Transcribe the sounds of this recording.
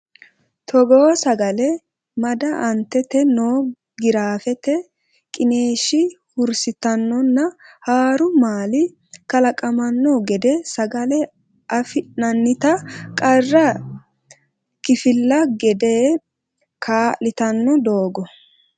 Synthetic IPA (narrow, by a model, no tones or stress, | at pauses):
t̪ʰɔɡoːsɐɡɐlɛ | mɐd̪ɐʔɐnt̪ːɛt̪ɛnoː | ɡɪɾaːfɛt̪ɛ | kʼɪne̞ːʃɪ | hʊɾsɪt̪ɐnːɔnːɐhaːɾʊmaːlɪ | kɐlɐkʼɐmɐnːɔɡɛd̪ɛsɐɡɐlɛ | ʔɐfɪnɐnːɪt̪ɐkʼɐrːɐ | kɪfɪlːɐɡɛd̪eː | kʰaːlɪt̪ɐnːɔd̪o̞ːɡɔ